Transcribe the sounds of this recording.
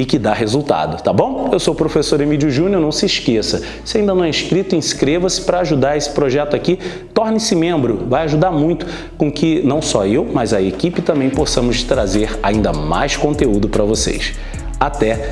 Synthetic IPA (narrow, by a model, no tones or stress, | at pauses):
ɪkɪd̪aɦezuwt̪a̰d̪ʊt̪abõw̃ewsowpɾofesoɾemid͡ʒʊʒũnoɾnɐ̃w̃sɪʃkesɐ | sɪaĩnd̪ɐnɐ̃ɛĩʃkɾit̪ʊĩʃkɾevɐsɪ̥pɾɐaʒud̪aɾesɪ̥pɾoʒɛt̪ʊaki | t̪ɔɾnɪsɪmẽmbɾʊvajaʒud̪aɾmũj̃t̪ʊ̥ | kõkɪnɐ̃w̃sɔewmɐzɐekipɪt̪ɐ̃mbẽj̃posɐ̃mʊzt̪ɾazeɾa̰ĩnd̪ɐma̰jskõnt̪eud̪ʊpɾɐvosḛjs | at̪ɛ